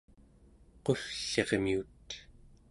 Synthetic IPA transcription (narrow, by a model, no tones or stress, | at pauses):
qo̞fɬe̞ʁmiut̪